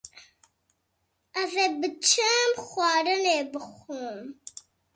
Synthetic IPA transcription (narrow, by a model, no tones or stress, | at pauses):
avebət͡ʃəmxwɑːɾənebəxum